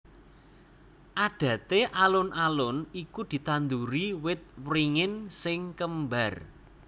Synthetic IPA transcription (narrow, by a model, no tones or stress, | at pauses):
ʔaɖ̥ä̤t̪eʔalʊnʔalʊnikud̪̥i̤t̪and̪uɾiwɪt̪̚wɾiŋɪnsɪŋkəmbar